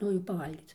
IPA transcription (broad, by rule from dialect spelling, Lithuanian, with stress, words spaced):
ˈnʊ jɛʊ pɐˈʋɐlʲɡʲiːt͡s